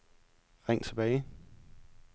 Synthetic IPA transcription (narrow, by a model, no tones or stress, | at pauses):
ʁɛŋ̰t͡sʰeb̥ɛɪ